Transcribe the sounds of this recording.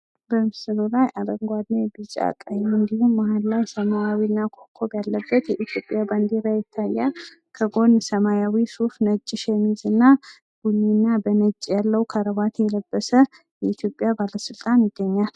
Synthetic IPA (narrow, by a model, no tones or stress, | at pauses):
bəmɨsɨlulajʔad̪əŋɡʷad̪nebɨt͡ʃʼa̰kʼːajmɨnd̪ihumːahallajsəmajawinːakʰokʰːobjalːəbːət̪jɛʔit̪ʰjo̞pʼːjaband̪iɾajɪt̪ʰːajːa | kʰəɡo̞nːsəmajawisufnət͡ʃʼːɪʃɛmizɨnːa | ɡ̥uɲːinːabənət͡ʃʼːjalːəwkʰaɾəβat̪jɛləbːəsə | jɛit̪ʰjo̞pʼːjabaləsɨlt̪ʼanjɪɡːəɲːal